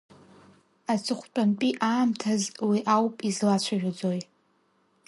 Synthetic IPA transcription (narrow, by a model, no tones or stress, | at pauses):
at͡sʰɨχʷt͡pʼanpʼiʔaːmtʰazwiʔawpʼizlat͡ɕʷʰaʒᶣʷad͡zoj